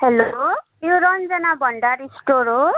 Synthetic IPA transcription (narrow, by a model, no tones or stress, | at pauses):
helo | joɾʌnd͡zʌnabʱʌɳɖaɾisʈoɾo